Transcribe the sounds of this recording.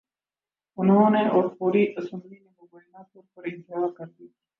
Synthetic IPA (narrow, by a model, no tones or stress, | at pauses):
ʊnɦõːneʔɔːɾfoːɾiʔɐsə̃mblinẽbɐboːnapʊɾpəɾɪ̃nt̪ɪɦaːɾkɐɾd̪iː